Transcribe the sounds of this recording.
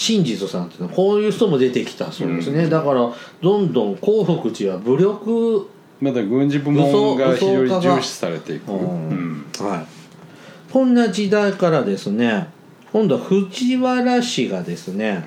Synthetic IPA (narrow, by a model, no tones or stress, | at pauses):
ɕĩɲ̟d͡ʑit͡sɨsãnt̪enako̞ːjɯ̟ːçi̥t̪o̞mo̞d̪e̞t̪e̞kʲi̥t̪asoːd̪esɨne̞d̪akaɾad̪õ̞nd̪õ̞ŋko̞ːɸɯkɯ̟t͡ɕiβabɯ̟ɾʲo̞kɯ̟ | mad̪aɡɯ̟̃ɲd͡ʑibɯmɯosoɡaçoioɾiaɡaɕi̥t͡sɨ̥saɾe̞t̪e̞ikoɯ̃ | hai | kõ̞nːad͡ʑid̪aikaɾad̪e̞sɨne̞ | kõnd̪o̞aɸɯ̟t͡ɕiβaɾaɕiɡad̪e̞sɨne̞